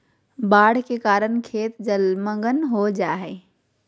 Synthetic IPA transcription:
baːɽ̤kekaːɾənkʰeːt̪d͡ʒɐlmə̃ŋɡənɦod͡ʑaːɦeː

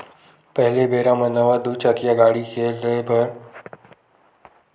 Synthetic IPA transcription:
pəɦɪlebʱeɾamənəʋad̪ut͡ʃəkjaɡaɽiːkʰeləebʱəɾ

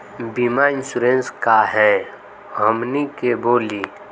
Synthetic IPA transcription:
bimaɪnsuɾẽnskaɦɛ̃ | ɦəmnikeboːliː

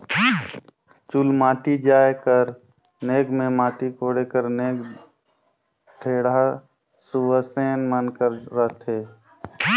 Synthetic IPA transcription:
t͡ʃʊlmaːʈid͡ʒaːekəɾ | neːɡmẽmaːʈikoːɽekəɾneːɡ | ʈʰeːɽa | suʋəseːnmənkəɾːət̪ʰeː

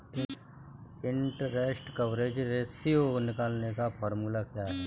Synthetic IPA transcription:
ɪɳʈɾeːsʈkəʋɾeːd͡ʒɾeːsionɪkaːlnekapɔːɾmulakjaːɦɛ

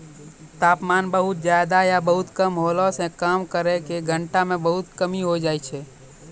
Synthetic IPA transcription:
t̪aːpmaːnbəɦʊt̪̚d͡ʒjaːjd̪ajabəɦʊt̪kəmɦoːlosẽkaːmkəɾekeɡʱə̃ɳʈamẽbəɦʊt̪kəmiɦod͡ʒaːit͡ʃʰe

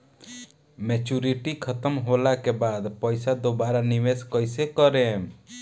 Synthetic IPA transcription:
met͡ʃuɾiʈikʰɔt̪ɔmɦolakebad̪pɔjsad̪obaɾanimeskɔjsekɔɾem

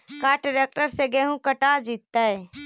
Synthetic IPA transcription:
kaːʈɾek̚ʈəɾseɡeɦũkəʈad͡ʒit̪ːəe

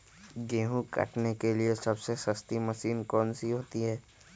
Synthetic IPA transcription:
ɡeːɦũkɐ̰ʈnekeliesɐbsesɐst̪imɐʃiːnkɔːnsiɦoːt̪iɦɛː

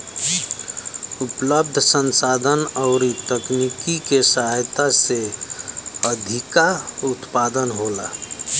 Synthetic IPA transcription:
upləb̚d̪ʱəsənsad̪ʱənəʊɾit̪əknikikesaɦjt̪ase | əd̪ʱikaut̪pad̪ənɦola̰

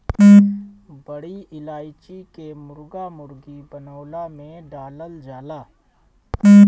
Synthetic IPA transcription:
bɐɽiɪlaːɪt͡ʃikemʊɾɡamʊɾɡibɐnaːlamẽɖaːləld͡ʒaːlaː

